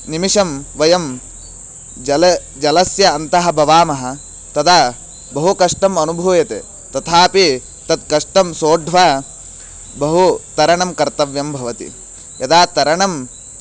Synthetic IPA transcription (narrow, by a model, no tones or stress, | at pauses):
nimiʂɐmʋɐjɐm | d͡ʒɐl | d͡ʒɐlɐsjɐːnt̪ɐɦɐ̆bʱɐʋaːmɐɦɐ̆ | t̪ɐd̪aː | bɐɦukɐʂʈɐmɐnubʱuːjɐt̪ḛː | t̪ɐt̪ʰaːpi | t̪ɐt̪̚kɐʂʈɐmsoːɖʱʋaː | bɐɦut̪ɐɾɐɳɐmkɐɾt̪ɐʋjɐmbʱɐʋɐt̪ḭ | jɐd̪aːt̪ɐɾɐɳɐm